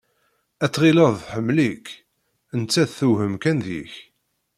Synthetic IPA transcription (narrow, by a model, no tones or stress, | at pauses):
æt͡sːʁiləðˤθħəmːlik | ənt͡sːæðθuhəmkænðḭç